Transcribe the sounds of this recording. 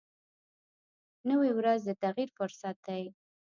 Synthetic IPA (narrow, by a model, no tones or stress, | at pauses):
nəwiwɾazd̪ət̪aɣiɾfʊɾsat̪̚d̪aj